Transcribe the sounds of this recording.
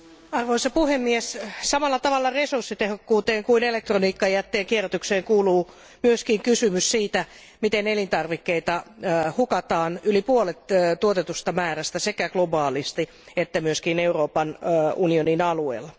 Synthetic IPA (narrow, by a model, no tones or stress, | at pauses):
ɑrʋoisɑpuhemːiessɑmɑlːɑt̪ɑʋɑlːɑresursːit̪ehokːuːt̪eːŋkuinelek̚t̪roniːkːɑjæt̪ːeːŋkierot̪ykseːŋkuːluː | myøskiŋkysymyssiːt̪æ | mit̪enelint̪ɑrʋikːeit̪ɑhukɑt̪ɑːnylipuolet̪t̪uot̪et̪ust̪ɑmæːræst̪æsekæɡ̥lobɑːlist̪i | et̪ːæmyøskineuroːpɑnunioninɑluḛːlːɑ